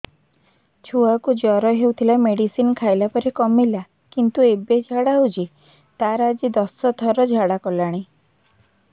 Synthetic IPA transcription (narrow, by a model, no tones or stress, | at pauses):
t͡ʃʰuakud͡ʒɔɾɔɦewt̪ʰilameɽisinkʰajlapɔɾekɔmila | kint̪uebed͡ʒʱaɽaɦud͡ʒi | t̪aɾad͡ʒid̪ɔsɔt̪ʰɔɾɔd͡ʒʱaɽakɔlaɽ̃i